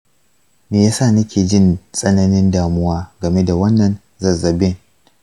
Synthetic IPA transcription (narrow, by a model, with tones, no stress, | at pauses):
meː˨jaː˦saː˦˨nɐ˦kʲʰeː˨d͡ʒɪ˦nsʼɐ˦nɐ˦nɪ˦ndaː˨mʊ˦waː˦ɡɐ˨me˦da˨wɐ˦nːɐ˨n | zɐ˨zɐ˨bɪ˦n